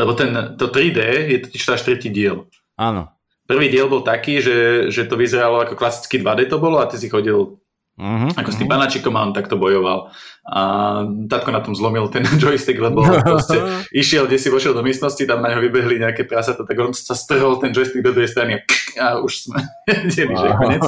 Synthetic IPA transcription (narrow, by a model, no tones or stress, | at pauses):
lɛbɔt̪ɛnt̪ɔt̪ɾiːd̪ɛːjɛt̪ɔ̥ciʃt̪ɔaʃt̪ɾɛciːɟɪɛl | aːnɔ̰ | pr̩ʋiːɟɪɛlbɔlt̪akiːʒɛʒɛt̪ɔʋizɛɾalɔakɔklasi̥t͡skid̪ʋad̪ɛt̪ɔbɔlɔat̪ɛsixɔɟil | akɔst̪impanat͡ʃikɔmaɔnt̪akt̪ɔbɔjɔʋa̰lat̪at̪̚kɔnat̪ɔmzlɔmilt̪ɛnd͡ʒɔjst̪iɡlɛbɔpɾɔscɛiʃɪɛlɡɟɛsipɔʃjɛlˠd̪ɔmɪɛst̪nɔscit̪amnaɲɦɔʋibɛɦliɲɛakɛːt̪ɾasat̪at̪aɡɔnsast̪r̩ɦɔlt̪ɛnd͡ʒɔjst̪iɡ̚d̪ɔd̪ɾuɦɛjst̪ɾaniaauʃsmɛ | ɟɛliʒɛkɔɲɪɛt͡s